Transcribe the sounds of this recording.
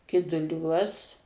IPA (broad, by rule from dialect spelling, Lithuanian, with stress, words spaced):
kʲɪdʊˈlʲuɔs